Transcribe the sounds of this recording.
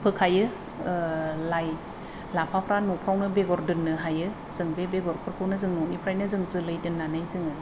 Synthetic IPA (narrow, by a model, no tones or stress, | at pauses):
pʰɯkʰajɯ | laj | lapʰapʰɾanɔpʰɾawnɯbeɡɔɾdɯnːɯɦajɯ | z̥ɯŋbebeɡɔɾpʰɯɾkʰɯwnɯzɯŋnɔnipʰɾajnɯzɯŋzɯlɯjdɯnːanajzɯŋɯ